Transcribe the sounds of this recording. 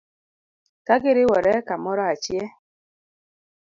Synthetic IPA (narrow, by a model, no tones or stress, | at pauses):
kaɡeɾewɔɾɛkamɔɾɔat͡ʃjɛ